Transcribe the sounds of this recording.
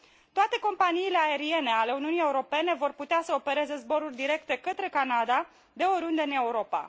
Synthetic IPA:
t̪oat̪e̞ko̞mpaniːle̞ae̞ɾie̞ne̞ale̞uniunije̞uɾo̞pe̞ne̞vo̞rput̪easəo̞pe̞ɾe̞ze̞zbo̞ɾurʲd̪iɾe̞kt̪e̞kət̪ɾe̞kanad̪a | d̪e̞oɾund̪eɨne̞uɾo̞pa̰

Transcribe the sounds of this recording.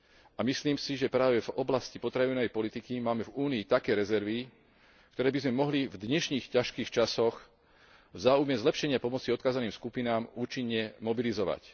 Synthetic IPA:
amisliːmsiʒɛpɾaːʋɛvɔblascipɔt̪ɾaʋinɔʋɛjpɔlit̪ikimaːmɛvuːniːt̪akɛːɾɛzɛɾʋi | k̚t̪ɔɾɛːbizmɛmɔɦlivd̪ɲɛʃɲiːxcaʃkiːxt͡ʃasɔx | vzaːujmɛzlɛpʃɛɲɪapɔmɔt͡siɔt̪̚kaːzaniːmskupinaːmuːt͡ʃiɲːɛmɔbilizɔʋa̰c

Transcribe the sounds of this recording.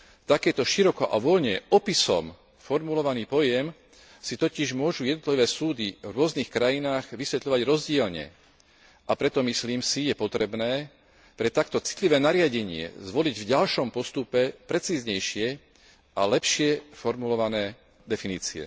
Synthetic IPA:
t̪akɛːt̪ɔʃiɾɔkɔʔaʋɔlɲɛʔɔpisɔ̰m | fɔɾmulɔʋaniːpɔjɛm | sit̪ɔciʒmʊɔʒujɛd̪nɔt̪liʋɛːsuːd̪ivɾʊɔznixkɾajinaːɣʋisʋɛt̪ʎɔʋaɟɾɔzɟɪɛlɲɛ̰ | ʔapɾɛt̪ɔmisliːmsijɛpɔt̪ɾɛbnɛː | pɾɛt̪akt̪ɔt͡si̥t̪liʋɛːnaɾɪaɟɛɲɪɛ̰zʋɔliɟvɟalʃɔmpɔst̪upɛpɾɛt͡siːzɲɛjʃɪɛ | ʔalɛpʃɪɛfɔɾmulɔʋanɛː | d̪ɛfiniːt͡siɛ̰

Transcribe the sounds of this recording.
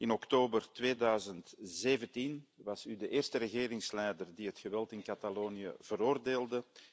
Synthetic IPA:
ɪnɔktoːbərtweːdœɥzəntzeːvəntinʋɑsydəʔeːrstəɾəɣeːɾɪŋslɛjdərdiɦətxəʋɛlˠtɪnkataloːnijə̰v̥əɾoːrdeːlˠdə

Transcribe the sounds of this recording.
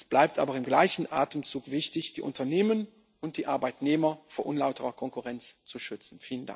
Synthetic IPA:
ɛsb̥laɪp̚tʰʔa̰ːbɐɪmɡlaɪçn̩ʔa̰ːtəmt͡suːkv̥ɪçtɪçd̥iːʔʊ̰ntɐneːmən | ʊnt̚d̥iːʔa̰ɐbaɪtneːmɐfoːɐʔʊnlaʊtəʁɐkʰɔŋkuʁɛnt͡st͡suʃʏt͡sn̩fiːlənda̰ŋk

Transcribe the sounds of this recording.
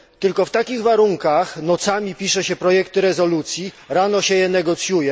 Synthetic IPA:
t̪ɘlkɔft̪akʲiɣvaɾuŋkaxnɔt̪samʲipʲiʂɛɕɛpɾɔjɛkt̪ɘɾɛzɔlut̪sʲji | ɾanɔɕɛjɛnɛɡɔt̪sʲjujɛ

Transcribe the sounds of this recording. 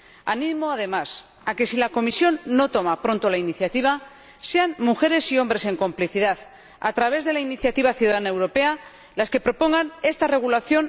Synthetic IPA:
anĩmo̞aðe̞mas | ake̞silako̞misjo̞nːo̞t̪o̞mapɾo̞nt̪o̞lainiθjat̪iβ̞a | se̞anmuxe̞ɾe̞sio̞mbɾe̞se̞ŋko̞mpliθiðað | a̰t̪ɾaβ̞e̞zðe̞lainiθjat̪iβ̞aθjuðaðanaewɾo̞pe̞a | laske̞pɾo̞po̞ŋɡane̞st̪are̞ɣ̞ulaθjo̞n

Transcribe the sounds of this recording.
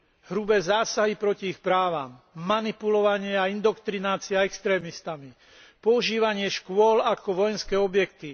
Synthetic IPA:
ɦɾubɛːzaːsaɦipɾɔciixpɾaːʋaːmː | anipulɔʋaɲɪɛaind̪ɔkt̪ɾinaːt͡siaɛkst̪ɾɛːmist̪ami | pɔuʒiːʋaɲɪɛʃkʊɔlakɔʋɔjɛnskɛːɔbjɛkt̪i

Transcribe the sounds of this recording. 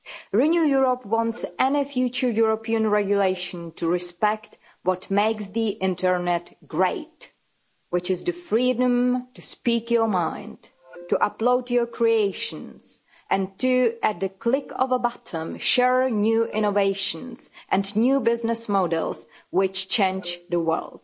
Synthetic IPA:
ɹɨnjujuɹəpwɑ̃ntsʔɛnifjʉt͡ʃə˞juɹopʰiə̃nɹɛɡjʊleɪʃɨ̃ntʰɨɹɪspɛkt | wɔtmeɪksðiʔɪ̃ntʰə˞nɛtɡ̥ɹeɪt | wɪt͡ʃɨzðɨfɹiːdə̃mtɨspikjə˞mãɪ̃nd | tɨʔəploʊtjə˞kʰɹieɪʃɨ̃nz̥ | ʔɨ̃ntʰɨɨt̚ðɨkʰlɪkʰɔ̰vəbɑtʰə̃mʃɛɹnjʉʔɪ̃ñoveɪʃɨ̃nz̥ʔɨ̃nnjʉbɪznɨsmoʊdɛ̰lˠzwɪt͡ʃt͡ʃʰẽɪ̃nd͡ʒðəwɜ̰˞lˠd̥

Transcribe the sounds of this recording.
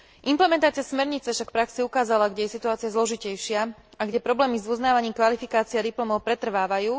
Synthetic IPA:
ʔimplɛmɛnt̪aːt͡siɪasmɛɾɲit͡sɛfʃakfpɾaksiukaːzalaɡɟɛjɛsit̪uaːt͡siazlɔʒicɛjʃɪaaɡɟɛpɾɔblɛːmizuznaːʋaɲiːmkʋalifikaːt͡siad̪iplɔmɔʊpɾɛt̪r̩ʋaːʋajuː

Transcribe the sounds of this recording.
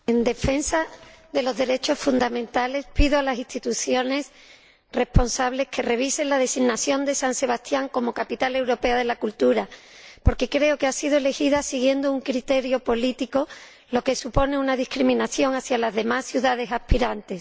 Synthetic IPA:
e̞nd̪e̞fe̞nsaðe̞lo̞zðe̞ɾe̞t͡ʃo̞sfund̪amẽ̞nt̪ale̞spiðoalasist̪it̪uθjo̞ne̞s | re̞spo̞nsaβle̞skʰe̞re̞β̞ise̞nlað̞e̞siɣnaθjo̞nd̪e̞sanse̞β̞ast̪jaŋko̞mo̞kapit̪ale̞wɾo̞pe̞aðe̞lakult̪uɾapo̞ɾke̞kɾe̞o̞ke̞asiðoe̞le̞xiðasiɣje̞nd̪ouŋkɾit̪e̞ɾjo̞po̞lit̪iko̞ | lo̞ke̞supo̞ne̞unaðihkɾimĩnaθjo̞ŋaθjalazðe̞masθjuðað̞e̞sahpiɾant̪e̞s

